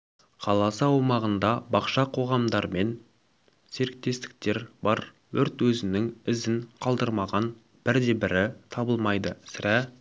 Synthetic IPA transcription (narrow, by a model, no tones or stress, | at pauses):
qʰɑlˠɑsəɑwmɑʁənd̪ɑbɑqʃɑqʰo̞ʁɑmd̪ɑɾme̞n | se̞ɾɪk̚t̪e̞st̪ɪ̥k̚t̪e̞ɾbɑɾ | wɵɾt̪wɵzɪnɪŋɪzɪŋqʰɑlˠd̪əɾmɑʁɑn | b̥ɪɾd̪e̞bɪɾɪt̪ʰɑbəlˠmɑjd̪əsɪɾæ